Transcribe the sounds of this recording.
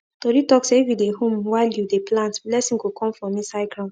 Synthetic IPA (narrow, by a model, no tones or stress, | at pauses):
toɾitɔkseifidehõmwaɪljudeplãntblɛsĩnɡokʰɔ̃mfɹɔ̃mĩsaɪkɹã